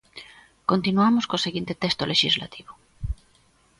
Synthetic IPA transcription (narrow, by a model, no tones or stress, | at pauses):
kont̪inuamoskoːseɣint̪et̪est̪oleʃizla̰t̪iβo